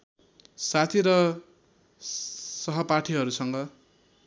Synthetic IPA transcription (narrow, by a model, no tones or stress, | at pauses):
sat̪ʰiɾʌ | sʌɦʌpaʈʰiɦʌɾusʌŋɡʌ